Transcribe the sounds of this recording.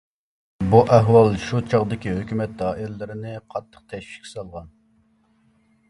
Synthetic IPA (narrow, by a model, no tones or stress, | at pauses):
buʔɛɦwɑlˠʃut͡ʃʰɑʁd̪ɪkʲihøkʲymɛt̪̚d̪ɑːʔilɪlːɪɾɪnɪqʰɑt̪ʰːə̥q̚t̪ʰɛʃi̥ʃkʲi̥sɑlˠʁɑn